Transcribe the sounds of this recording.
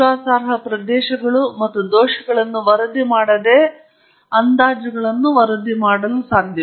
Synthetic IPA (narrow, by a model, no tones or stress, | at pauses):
aːsaːɾɦɐpɾɐd̪ɛːʃɐɡɐɭumɐt̪ːud̪oːʃɐɡɐɭɐnːuʋɐɾɐd̪imaːɽɐd̪eː | ɐnd̪aːd͡ʒɐɡɐɭɐnːuʋɐɾɐd̪imaːɽɐlusaːd̪ʱjɐ